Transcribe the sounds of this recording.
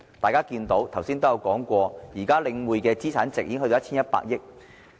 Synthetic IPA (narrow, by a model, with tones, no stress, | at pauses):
t̪aː˨jkaː˥kiː˧nt̪o˨˥wt̪ʰwsiː˥nt̪o˥jɐ˧wkɔː˨˥ŋkʷɔː˧jiː˨˩kaː˥lɪ˧ŋwuː˨jkɛː˧t͡siː˥t͡sʰaː˨˥nt͡sɪ˨k̚iː˧˥ŋɦɵ˧to˧˦˥t͡ɕʰiː˥njɐ˥t̚pa̰ː˧k̚jɪ˥k̚